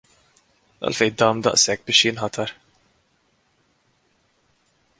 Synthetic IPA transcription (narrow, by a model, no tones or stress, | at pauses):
ɐ̰lfɛjd̪ɐːmd̪ɐ̰ʔsɛk̚ːbɪːʃjɪnħɐt̪ʰɐɾ